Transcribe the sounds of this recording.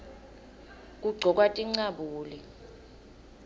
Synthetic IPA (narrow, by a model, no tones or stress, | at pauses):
k̬ʼuɡ͡ǀʱɔk̬ʼwatʼiŋ͡ǀaɓuːli